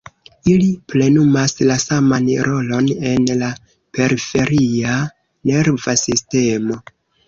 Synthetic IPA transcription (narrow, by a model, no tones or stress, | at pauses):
iliple̞numaslasamanɾʔo̞lo̞ne̞nla | pe̞ɾife̞ɾia | ne̞ɾvasiste̞mo̞